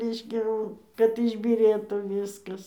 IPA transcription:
ˈrʲɛɪʃʲkʲɛ jɛʊ kɐt ɪʒʲbʲiːˈrʲeːtuː ˈʋʲiːskɐs

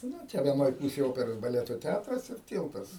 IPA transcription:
ˈnʊ ˈt͡ʃʲɛ ʋʲiɛˈnoːj ˈpuːsʲeːj ˈoːpʲɛroːs bɐˈlʲæːtoː ˈtʲætrɐs ɪr ˈtʲiːlˠtɐs

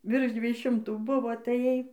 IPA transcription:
ʋʲɪrʃ ˈdʲʋʲiɛj ˈʃʲɪmtuː ˈbʊʋoː ɐtɐˈjɛɪ

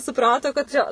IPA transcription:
sʊˈprɑːtoː kɐt ˈt͡ʃʲɛ

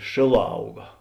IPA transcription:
ˈʃʲeːˌlˠɑː ˈɐʊɡɐ

